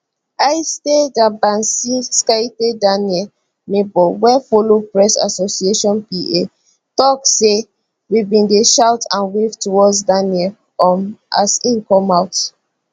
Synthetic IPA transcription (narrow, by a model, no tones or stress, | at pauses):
ajstedabãnsiskajtedaniɛl | mebɔwɛfolopɹɛsa̰sosieʃɔ̃npie | tɔkse | wibĩndeʃawtãnwivtuwɔdsdaniɛl | ɔma̰sĩnkɔ̃maʊt